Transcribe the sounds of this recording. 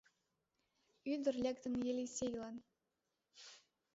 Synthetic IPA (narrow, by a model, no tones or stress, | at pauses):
yd̪ə̆rlʲækt̪ə̆njelʲisʲejlˠɑn